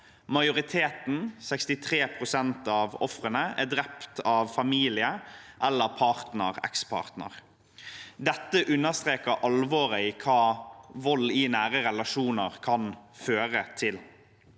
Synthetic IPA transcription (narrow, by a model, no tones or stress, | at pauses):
mɑɪʊʁɪt̪ʰeːt̪n̩sɛkst̪ɪt̪ʰʁeːpʰʁʊsɛnt̪ɑːʋɔfʁənəæd̪ɾɛpt̪ʰɑʋfɑmiːlɪəʔɛlːəpʰɑːʁt̪nə̰ʁɛ̰kspʰɑ̰ːʁt̪nə̰ʁ | d̪ɛt̪ːəʔʉnːəst̪ʁeːkəʔɑlʋɔːʁəiːkʰɑːʋɔlːinæːʁəʁɛlɑʂuːnəʁkʰɑnføːʁət̪ʰɪl